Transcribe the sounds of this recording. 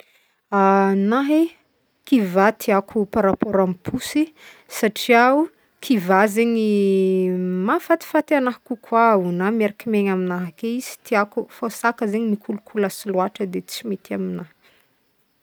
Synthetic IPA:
anaɦe | kivat̪ʰiakʰupaɾapoɾamipʰusi | saʈ͡ʂiau | kʰivazeɲi | mafat̪i̥fat̪eanaɦkukʰwaunameɾakimeɲaminaɦakeizi̥t̪iakufosakəzeɲinikʰulukʰuləsiluaʈ͡ʂəd̪et͡simet̪iaminah

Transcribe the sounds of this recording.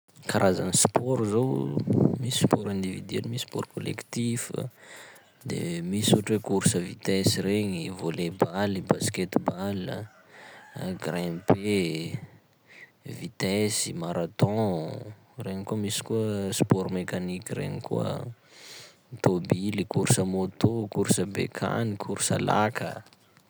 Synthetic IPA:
kaɾʔazanispɔɾuzowmisi̥spɔɾɛ̃nd̪ivid̪ɥɛlimisispɔɾkolḛkt̪ifə̰ | d̪ḛmisuʈ͡ʂwekuɾsəvit̪ɛsiɾeɲivolebalibasket̪ibalə̰ | ɡrɛ̃pe | vit̪ɛsimaɾat̪ɔ̃ | reɲikuəmisi̥kuəspɔɾmekanikirḛŋikṵə̰ | t̪obilikuɾsəmot̪okuɾsəbḛkʰa̰nikʰuɾsə̰la̰kʰə̰

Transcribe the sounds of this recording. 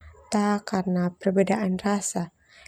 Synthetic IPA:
t̪akarənapərbedaʔanrasa

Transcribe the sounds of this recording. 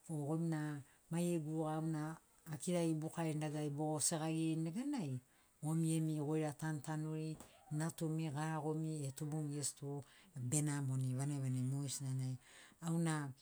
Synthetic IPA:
oɡo̞mina | majeɡuɡaːwnaː | kiɾaibukaendaɡajbo̞ɡoseɡaɡiɾneɡanaj | o̞mie̞miɡo̞jɾatantanuɾinatumiɡaɡo̞mietubumiestube̞namoniβaneβanemojsnanajawna

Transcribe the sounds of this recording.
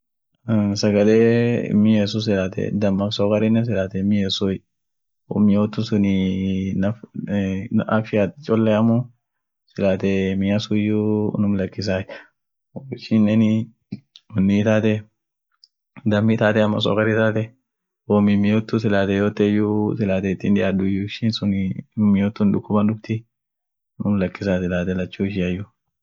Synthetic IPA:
sɐɡɐleːɪ̰mːɪjes̬us̬ɪlaːt̪ɛ̰d̪ɐmːɐfsoːkɐɾɪnːɛs̬ɪlaːt̪ɛɪmːɪjɛsu | wɔ̰mɪjoːt̪ːʊsʊninɐf | ʔafɪjat̪t͡ʃʼɔlːɛɐmu | sɪlaːt̪ɛmɪjasujːunʊmlɐkːɪs̬aːj | ɪʃinːɛn | ɔnːit̪aːt̪ɛ | d̪ɐmːit̪aːt̪ɛɐmːɐs̬o̰ːkɐɾit̪aːt̪ɛ | wɔmimɪjoːt̪ːusɪlaːt̪ɛjoːt̪ːɛjusɪlaːt̪ɛɪt̪ːinᶑ̪ɪʔad̪ʊjʊɪʃinsʊnmɪjoːt̪ːuːnᶑʊkːʊbɐnᶑʊbt̪ɪ | nʊmlɐkːɪsaːsɪlaːt̪ɛlɐt͡ʃːuːɪʃɪɐjʊ

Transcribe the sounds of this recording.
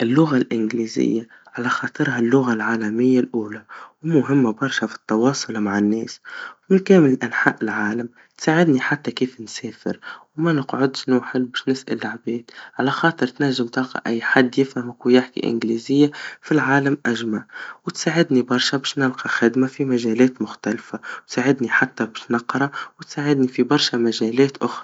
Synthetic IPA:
ʔɪlːʊɣalʔɪnɡliːzɪ̰jːa | ʕalæxɑːt̪ˤɨɾɦalːʊɣalʕaːlæmɪjːalʔuːlawmʊɦɪmːabɑɾˤʃafi̥t̪ːɑwɑːsˤʊlmaʕanːɛːswmɪnkæːmɪlɪlʔanħaːʔɪlʕaːlam | t̪saːʕɪd̪niħat̪ːakiːfnsɛːfɪ̰ɾwmanɪqʕʊd̪ʃnuːħɪlbɛːʃnɪsʔa̰lːaʕbɛːd̪ʕalæxɑːt̪ˤɨɾt̪næʒːɪmt̪ɑlqɑ̰ʔæjːħad̪ːjɪfhamkujɪħkḭʔɪ̰nɡliːzɪjːafilʕaːlamʔæʒmaʕwɪt̪saːʕɪd̪nibɑɾˤʃabɛːʃnɪlqɑxɪd̪mafimaʒɛːlɛːt̪mʊxt̪alfawt̪saːʕɪd̪niħat̪ːabɛʃnɑqːɾˤɑwɪt̪saːʕɪd̪nifibɑɾˤʃamaʒɛːlɛːt̪ʔʊxɾˤɑ

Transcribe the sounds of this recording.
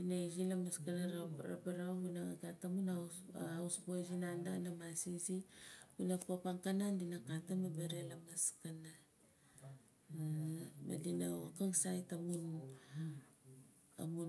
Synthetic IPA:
dinaizilamaskanaɾaɾa̰paɾahunaaɡatamunaausbozinandanamasizibunapapaŋkanandinakatamabeɾelamaskana | ma̰dinawakaŋsajtamunu | a̰mun

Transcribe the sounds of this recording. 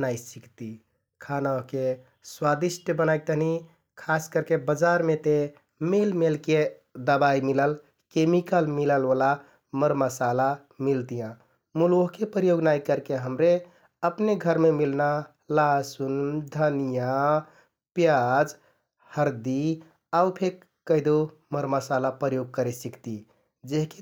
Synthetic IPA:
naisikt̪i | kʰanaoɦke | swad̪isʈʰjəbənajk̚t̪əɦni | kʰaskəɾkebəd͡ʒaɾmet̪e | melmelke | d̪əbaimiləl | kemikəlmiləlʋəla | məɾməsala | milt̪ijã | muloɦkepɾjoɡnaikəɾkeɦəmɾe | əpneɡʱəɾmemilna | lasund̪ʱənija | pjad͡ʒ | həɾd̪i | aupʰek | kːəɦɪd̪o | məɾməsalapɾəjoɡ̚kəɾesikt̪i | d͡ʒeɦke

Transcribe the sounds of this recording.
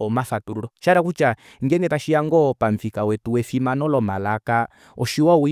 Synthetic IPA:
ɔmafatuɾuɾɔʃaɾakut͡ʃa | ŋɡɛŋɡɛtaʃiaŋɡɔpaɱfikawɛtuwɛfimanɔlɔmalaka | ɔʃiwau

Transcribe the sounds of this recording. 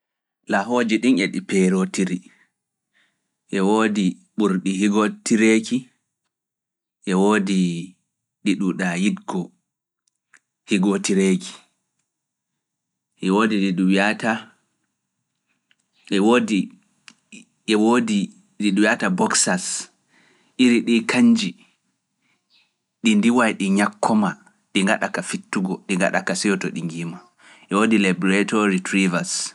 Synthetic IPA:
laɦoːd͡ʒiɗineɗipɛɾotiɾi | ʔɛwoːdiɓuɾɗiɦiɡotiɾeki | ʔɛwoːdi | ɗiɗuɗajidɡɔ | hiɡotiɾekʰi̥ | ʔɛwoːdiɗiɗuwiata | ɛwodi | ɛwodi | ɾiɗuwiatabɔksas | ʔiɾiɗikʰaɲd͡ʒi | ɗindiwajɗiɲakʰːɔma | ɗiŋɡaɗakafitːuɡɔɗiŋɡa̰ɗa̰kasɛjɔtɔɗiŋɡiːma | ʔɛwoːdilabɔɾatɔɾitɾivas

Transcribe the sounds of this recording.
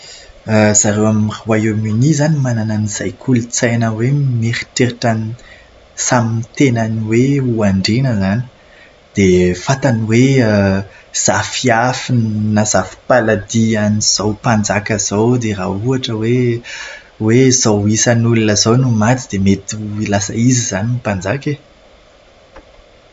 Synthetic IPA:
əzaɾewamiruwajominizanimanananiz̥ajkʰulut͡sajnəwemeɾi̥ʈ͡ʂeɾʈ͡ʂani | samint̪enaniweuaɳɖ͡ʐenəzani̥ | d̪̥efat̪aniwe | z̥afiafinnazafi̥palad̪ianiz̥awpand͡zakʲəz̥owd̪erauaʈ͡ʂəwe | wezawisanulunəzownumat̪id̪̥emet̪uilasəiziz̥aniupand͡zakʲe

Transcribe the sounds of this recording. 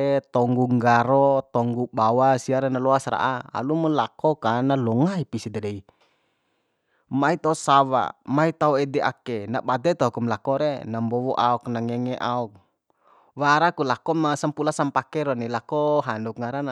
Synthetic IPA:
ɛt̪ɔŋɡuŋɡaɾɔt̪ɔŋɡubawasiaɾɛnalɔasɾa̰ʔaa̰lumɔlakɔkanalɔŋaipisid̪ɛdɛi | mait̪aɔsawa̰mait̪auɛdɛʔa̰kɛna̰bad̪ɛt̪akumlakɔɾɛnambɔwɔʔaɔknaŋɛŋɛʔaɔk̚ | waɾakulakɔmasampulasampakɛɾɔnilakɔɦandukŋaɾana

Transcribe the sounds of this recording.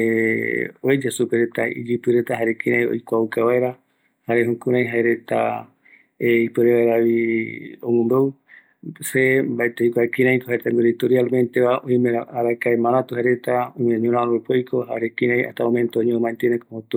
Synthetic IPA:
e | ojd͡ʒasupeɾet̪a̰ḭd͡ʒipɨɾet̪aɦaɾekĩɾãj̃o̰jkʷaukaβaeɾa | haɾeɦũkũɾãj̃ɦaeɾe̞t̪a̰ | eipɨɾeβaeɾaβiomõmbew | sembaet̪ejkʷaekĩɾãj̃kohaeɾet̪aŋɡuɾit̪oɾialmẽnt̪eβaõj̃mẽɾaaɾakaemãɾãt̪uhaɾe̞t̪aojmeɲõɾ̃aoβepojkʰoɦaɾekĩɾãj̃a̰ht̪aõmẽnt̪oõɲẽomãnt̪enẽkoot̪u

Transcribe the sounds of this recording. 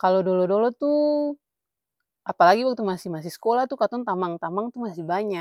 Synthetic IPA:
kalodɔlɔdɔlɔt̪u | ʔapalaɡiwakit̪umasihmasihsə̥kolaht̪ukat̪ɔnt̪amaŋt̪amaŋt̪umasihbaɲa

